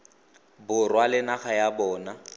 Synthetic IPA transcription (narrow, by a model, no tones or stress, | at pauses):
bʊrwalɪnaχajabɔːna